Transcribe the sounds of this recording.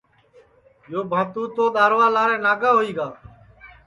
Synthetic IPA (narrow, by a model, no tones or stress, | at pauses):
joːbʱãːt̪ũːt̪oːɗ̪aːɾʋaːlaːɾẽːnaːɡaːɦoːiːɡaː